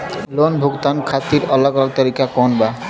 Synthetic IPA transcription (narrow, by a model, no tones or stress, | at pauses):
lonbʱuɡt̪ankʰat̪ːiɾɔlaɡɔlaɡ̚t̪aɾikakɔnba